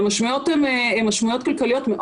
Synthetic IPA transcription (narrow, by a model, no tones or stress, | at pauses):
maʃmujot̪ememaʃmujot̪̚kalkalijot̪meʔ